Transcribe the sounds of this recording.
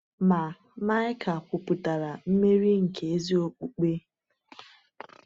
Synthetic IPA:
ma˨ | ma˦jɪ˦kʰa˨kʷʊ˨pu˨ta˨ɾa˨m̩˦me˦ɾi˦ŋ̩˨ke˨e˦zi˦o˦k͡pu˦k͡pe˦

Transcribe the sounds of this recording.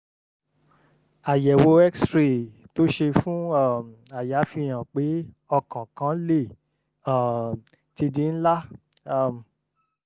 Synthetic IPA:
a˨jɛ˨wo˧ɛ˦kstɾi˨to˦ʃe˧fũ˦a˦˨m˨a˨ja˨˦fi˧j̃ã˨k͡pe˨˦ | ɔ˧kã˨kã˨˦le˦˨ | ã˦˨ | ti˧˦di˧˦n̩˦la˦˨ | m˨

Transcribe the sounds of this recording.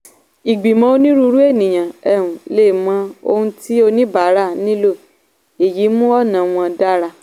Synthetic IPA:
i˨ɡ͡bi˨mã˧o˧nĩ˦ɾu˦˧ɾu˦e˦˨nĩ˨j̃ã˨ɛ˦˨ũ˨le˦˨mã˧˦o̰˧hũ˧ti˦o˧nĩ˦ba˨˦ɾa˦˨nĩ˦lo˦˨ | e˨ji˨˦mũ˦ɔ˦˨nã˨w̃ɔ̃˧da˦ɾa˧

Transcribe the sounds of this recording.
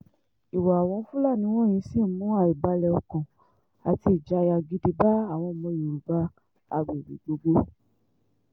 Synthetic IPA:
i˨wa˨a˨w̃ɔ̃˧˦fũ˦la˦˨nĩ˨˦w̃ɔ̃˦˨j̃ĩ˧˦si˦˨˦mũ˦a˦˨i˨ba˧˦lɛ˧ɔ˧kɔ̃˨ | a˨ti˧i˨d͡ʒa˨˦˧ja˧ɡi˦di˧ba˦a˦˨w̃ɔ̃˧mɔ̃˧je˨ɾu˨ba˧˦ | a̰˧ɡ͡be˨ɾḭ˨˦d͡ʒo˧ɡo˦

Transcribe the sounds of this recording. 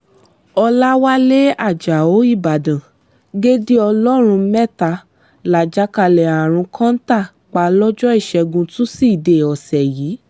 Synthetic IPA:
ɔ˧la˦wa˦le˦a˦˨d͡ʒa˨o˨˦i˦˨ba˨dã˨ | ɡe˦di˦ɔ˧lɔ˦ɾ̃ũ˧˦mɛ˦˨ta˧ | la˨d͡ʒa˨˦ka˧lɛ˨a˨ɾ̃ũ˧kʰã˦n̩˦ta˦˨ | k͡pa˧lɔ˦d͡ʒɔ˦i˦˨ʃɛ˧ɡũ˧tũ˦si˦i˨de˨ɔ˨sɛ˨jiː˨˦

